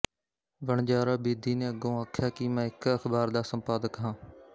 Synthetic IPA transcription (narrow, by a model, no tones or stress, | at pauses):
ʋəɳd͡ʒaːɾaːbiːd̪ʱiːnẽːəɡõːaːkʰjaːkiːmɛ̃ːɪkəxʰbaːɾd̪aːsəmpaːd̪əkɦãː